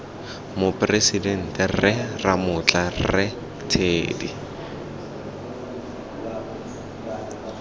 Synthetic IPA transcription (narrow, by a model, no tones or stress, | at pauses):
mʊpʼresidɛn̩tʼɛrɪramʊt͡ɬʼarrɪ | tʰeːdi